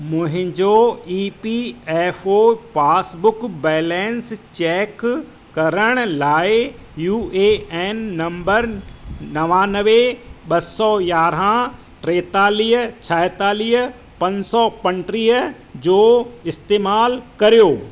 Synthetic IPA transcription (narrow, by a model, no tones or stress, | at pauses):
mʊ̃ɦɪ̃d͡ʑoːiːpiɛːfopaːsbʊkbɛːlɛ̃ːnst͡ɕɛːk | kːɐɾəɽ̃ʊlaːɪ | juːeːɛːnːɐ̃mbəɾnɐʋaːnəʋeɓɐsɔjaːɾɦã | ʈɾeːt̪aːliːɦt͡ɕʰɐɦt̪aːliːɦ | pɐ̃ɲd͡ʑsɔpɐ̃ɳʈɾiːɦ | d͡ʑoːɪst̪eːmaːlkɐɾijoː